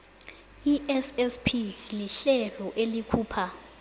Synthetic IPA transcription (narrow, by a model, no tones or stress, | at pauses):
iʔɛsɛspʰiliɬɛlɔʔelikʰuːpʰa